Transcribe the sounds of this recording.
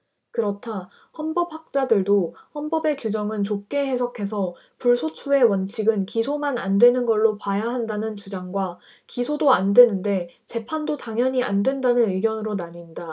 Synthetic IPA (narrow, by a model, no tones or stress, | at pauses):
kɯɾʌtʰa | hʌnbʌp̚hak̚t͡ɕ͈adɯɭdohʌnbʌbe̞kjud͡ʑʌŋɯnt͡ɕok̚k͈e̞he̞sʰʌkʰe̞sʰʌ | puɭsʰot͡ɕʰue̞wʌnt͡ɕʰiɡɯnkisʰomanandwe̞nɯnɡʌɭːopajaɦandanɯnt͡ɕud͡ʑaŋɡwa | kisʰodoandwe̞nɯnde̞ | t͡ɕe̞pʰandotaŋjʌɲia̰ndwe̞ndanɯnɯɡjʌnɯɾonaɲinda